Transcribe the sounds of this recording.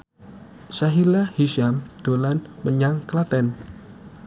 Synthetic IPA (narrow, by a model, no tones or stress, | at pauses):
saɦilahiʃamd̪̥o̤lanməɲaŋklat̪ɛn